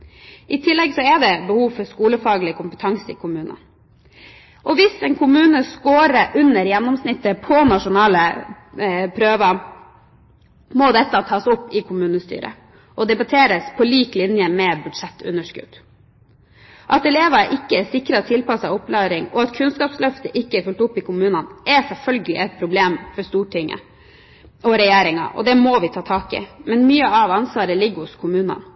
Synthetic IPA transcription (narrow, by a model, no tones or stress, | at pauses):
ʔɪt̪ʰɪlːɛɡsɔɛɖ̪ɛbəhuːʋfɔɾskuːləfɑːɡlɪkʰʊmpət̪ʰɑŋsɪ̰kʰʊmʉːnə̰n | ʔɔʋɪsɛːnkʰʊmʉːnəskoːɾəʔʉnːəɾjɛnːɔmsnɪt̪ːəpʰɔnɑʂʊnɑːlə | pʰɾøːʋɑ | mɔd̪ɛt̪ːɑt̪ʰɑːsɔpːɪkʰʊmʉːnəst̪y̰ːɾə̰ | ʔɔd̪ɛbɑt̪ʰeːɾəspʰɔliːklɪnjəmɛbʉd̪ʂɛt̪ʰːʉ̰nəʂkʉ̰d̪̥ | ʔɑt̪ɛleːʋɑʔɪkːəɛsɪkɾɑt̪ʰɪlpɑsɑʊpːlɑːɾɪŋɔɑt̪kʰʉnskɑːpslœft̪əʔɪkːəɛɾfʉlʈ̪ʊpːɪkʰʊmʉːnɑnʔɛsɛlfœlɡəlɪ̰ʔɛt̪̚pʰɾʊbleːmfɔɾst̪uːʈʰɪŋʔə̰ | ʔɔɾɛjeːɾɪŋɑ̰ʔɔ̰d̪ɛmɔʋɪt̪ʰɑːt̪ʰɑːkɪ̰mɛnmyːəɑʋɑnsʋɑːɾəlɪɡːhʊskʰʊmʉːnɑ̰n